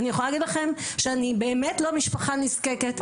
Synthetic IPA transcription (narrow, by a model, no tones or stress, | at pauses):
nijeχolalːaɡidlaχemʃeanibeːmetlo̞miʃpaχaniskeket